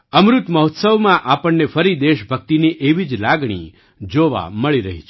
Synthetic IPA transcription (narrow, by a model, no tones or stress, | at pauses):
əmɾʊt̪məɦɔt̪səʋmãʔapəɳːefəɾid̪eʃbʱək̚t̪iniʔeʋid͡ʒlaɡɽ̃ḭ | d͡ʒoʋa̰məɭiɾəɦit͡ʃʰ